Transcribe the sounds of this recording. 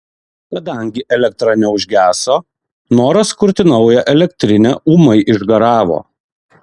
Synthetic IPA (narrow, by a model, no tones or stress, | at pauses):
kɐd̪ɐˑŋʲɡʲɪʔɛlʲɛk̚t̪ɾɐnʲɛʊʒʲɡʲæːsoː | noːɾɐskʊɾʲt̪ʲɪnɐʊjɛʔɛlʲɛkt̪ʲɾʲɪnʲɛʔuːmɐɪʔɪʒɡɐɾɑːʋo̰ː